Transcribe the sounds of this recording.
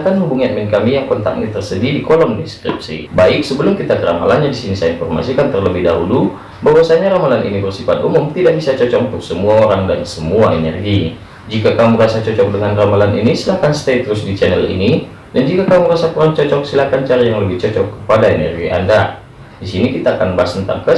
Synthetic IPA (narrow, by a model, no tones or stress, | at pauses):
kanhubuŋiamɛnkamijaŋkɔnt̪a̰k̚nit̪ərsədidikɔlɔŋdiskɾḭp̚sḭbaɪk̚səbəlʊmkit̪akəɾama̰lanɲadisinisainfɔrma̰sikant̪ərləbɪhdaɦulu | baɦwasaɲaɾamalanḭnibərsifat̪umʊmt̪idaʔ̚bisat͡ʃɔt͡ʃɔkunt̪ʊk̚səmuaoɾaŋdansəmuaenɛ̰rɡi | d͡ʒikakamuɾasat͡ʃɔt͡ʃɔk̚dəŋanramalanḭnisilakanst̪et̪ɾʊsdit͡ʃɛnɛlḭni | dand͡ʒikakamuɾasakuɾaŋt͡ʃɔt͡ʃɔk̚silakant͡ʃaɾajaŋləbɪht͡ʃɔt͡ʃɔkːəpadaenɛrɡiʔa̰nda | disinikit̪aːkanbasənt̪a̰p̚kə